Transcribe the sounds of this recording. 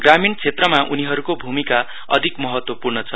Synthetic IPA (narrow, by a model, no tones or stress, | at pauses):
ɡramint͡sʰet̪rʌmaʔuniɦʌɾukobʱumika | ʌ̰d̪ʱikmʌɦʌt̪wʌpurnʌt͡sʰʌ